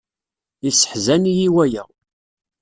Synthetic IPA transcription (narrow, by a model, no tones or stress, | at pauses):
isə̥ħzænijiwæjə̰ʁ